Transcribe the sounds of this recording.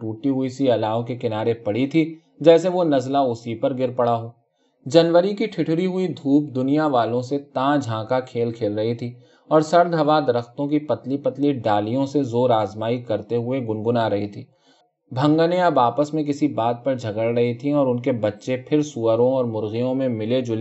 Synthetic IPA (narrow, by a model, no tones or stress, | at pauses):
ʈuːʈiɦʊisiɐlaːõkekɪnaːɾepɐɽit̪ʰi | d͡ʒɛːseʋonɐzlaʊsipɐɾɡɪɾpɐɽaɦoː | d͡ʒɐnʋəɾikiʈʰɪʈʰɾiɦʊid̪ʱuːpd̪ʊnijaʋaːlõset̪ãːd͡ʒʱãːkakʰeːlkʰeːlɾɐɦit̪ʰiː | ɔːɾsɐɾd̪ɦɐʋad̪ɐɾəxt̪õkipɐt̪lipɐt̪liɖaːlijõsezoːɾaːzmaːikɐɾt̪eɦʊeɡʊnɡʊnaːɾɐɦit̪ʰiː | bʱɐ̃ŋɡənẽɐbaːpəsmẽkɪsibaːd̪̚pɐɾd͡ʒʱɐɡəɽɾɐɦit̪ʰiɔːɾʊnkebɐtːʃepʰɪɾsuəɾõɔːɾmʊɾɣijõmẽmɪled͡ʒʊle